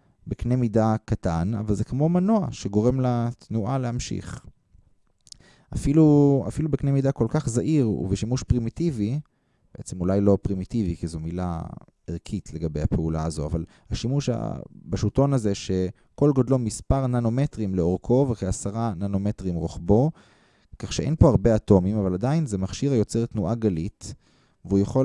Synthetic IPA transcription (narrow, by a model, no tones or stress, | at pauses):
beknemidakatana̰valze̞kmo̞manoaʃeɡo̞ʁe̞mlat̪nuʔalehamʃḭχ | afilua̰filubeknemidako̞lkaχzaʔiʁṵveʃimuʃpʁimitivi | b̥eʔet͡se̞mulajlo̞pʁimitivikizumila̰ | eʁkʰitʰle̞ɡabe̞jhapeulaazo̞a̰val | haʃimuʃa̰baʃuto̞nazeʃe̞ | ko̞lɡod̪lo̞mispaʁnano̞metʁimleo̞ʁkʰo̞veχeasaʁanano̞metʁimʁoχbo̞ | kaχʃeʔejnpo̞aʁbe̞ato̞mimavaladainzemaχʃiʁajo̞t͡seʁtnuʔaɡalit | veujaχo